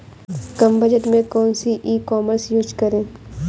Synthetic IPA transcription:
kɐmbəd͡ʒəʈmẽkɔːnsiʔiːkɔːməɾsjuːd͡ʒkɐɾẽː

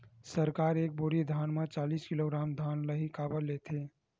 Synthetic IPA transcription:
səɾkaːɾeːk̚buɾid̪ʱanmẽt͡ʃaːliskiloɡɾaːmd̪ʱanləɦikaːbəlːet̪ʰe

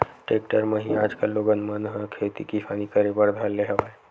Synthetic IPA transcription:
ʈek̚ʈəɾməɦĩad͡ʒkəlːoɡənmənɦə̃kʰet̪ḭkisanikəɾebəɾd̪ʱəlːeɦəʋa

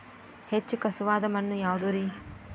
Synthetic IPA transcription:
het͡ʃːukɐsuʋaːd̪ɐmɐnːujaːʋud̪oːɾi

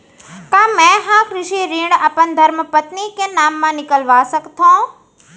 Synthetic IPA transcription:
kãːmɛ̃ːɦãːkɾɪʃiɾiːɽ̃ɐpənd̪ʱɐɾməpət̪nikenaːmːãnɪkəlʋaːsəkt̪ʰõː

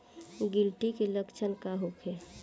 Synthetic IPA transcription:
ɡɪlʈikeləkt͡ʃʰənkaɦukʰe

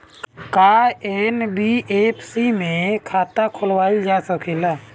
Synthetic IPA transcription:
kaenbiʔepʰsimẽkʰaːt̪akʰʊlwaːid͡ʒasəkʰelaː

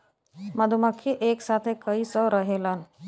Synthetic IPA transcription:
məd̪ʱuməkʰːeʔeːksaːt̪ʰekəisɔɾəɦelən

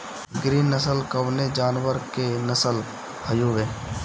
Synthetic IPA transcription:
ɡɾiːnːəsəlkəʋned͡ʒaːnwəɾkenəsəl | həjuːʋeː

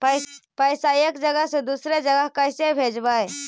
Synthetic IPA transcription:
pəɪsajəkd͡ʒəɡəɦsẽd̪usɾed͡ʒəɡəɦkəɪsebʱed͡ʒbaj

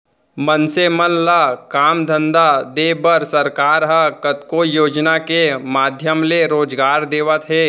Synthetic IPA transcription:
mɐnsemənlakaːmd̪ʱə̃nd̪ad̪eːbəɾsɐɾkaːɾɦɐkɐt̪kojoːd͡ʒnakemaːd̪ʱjəmleɾoːd͡ʒɡaːɾd̪eːʋət̪ɦɛː

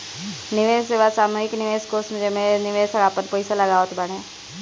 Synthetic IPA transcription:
nɪʋẽːseːʋasaːmuɦɪknɪʋeːskoːsmẽd͡ʒemẽnɪʋeːsəɡaːpənpəɪsalɐɡaːot̪ʰbəɽ̃ẽ

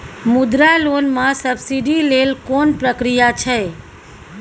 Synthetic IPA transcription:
mud̪ɾalonmãsəbsiɖilelkonpɾəkɾijat͡ʃʰe

